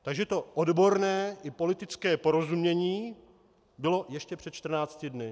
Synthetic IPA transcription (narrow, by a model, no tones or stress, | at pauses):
t̪aɡʒɛt̪o̞ʔodbo̞ɾnɛːʔɪpo̞lɪt̪ɪt͡skɛːpo̞ɾo̞zumɲɛɲiː | bɪlo̞jɛʃcɛpr̥ɛt̪̚t͡ʃt̪r̩naːt͡scɪdnɪ